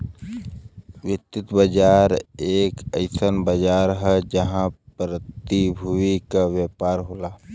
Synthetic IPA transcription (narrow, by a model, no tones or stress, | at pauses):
wjɪt̪ːɪt̪bəd͡ʒaːɾeːkəɪsənbəd͡ʒaːɾɦɛd͡ʒəɦãpɾət̪ibʱuikaʋjəpaːɾɦoːlaː